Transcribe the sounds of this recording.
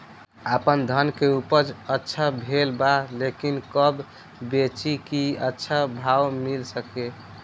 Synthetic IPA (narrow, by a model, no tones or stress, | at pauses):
apənd̪ʱənkeupəd͡ʒətːʃʰabʱelbalekinkəb | bet͡ʃikiətːʃʰabʱawmilsəke